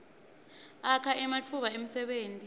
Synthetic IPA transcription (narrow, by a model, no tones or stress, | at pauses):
akʰaʔɛmatʰuɓaem̩sɛɓeːntʼi